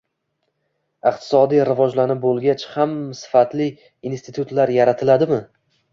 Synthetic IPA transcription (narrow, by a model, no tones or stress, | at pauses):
ɪqt̪ʰɪ̥sɒd̪ijɾɪvɒd͡ʒlanɪp̚bolˠɡʲat͡ʃhamsɪ̥fat̪lɪ | inst̪ɪt̪ʰʊt̪laɾjaɾat̪ʰɪlad̪ɪmɪ